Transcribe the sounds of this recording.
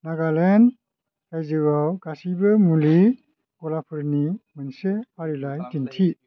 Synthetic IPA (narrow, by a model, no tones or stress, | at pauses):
naɡalen | kajzɯɡawɡasibɯmuli | kɔlapʰɯɾnimɯnsepʰaɾilajtintʰi